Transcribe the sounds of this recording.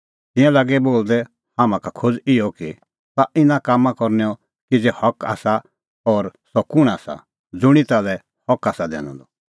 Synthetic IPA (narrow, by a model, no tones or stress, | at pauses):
t̪ɪ̃jãlaɡɛboːld̪ɛ | hamãkakʰod͡zɪɔki | t̪aʔɪnãkaːmːãkɔɾnɛɔ | kid͡zehɔka̰ːsa | ɔɾsɔkʊɽ̃aːsa̰ | d͡zʊɽ̃it̪aːlɛ | hɔkaːsad̪ɛ̰ːñɔ̰̃nd̪ɔ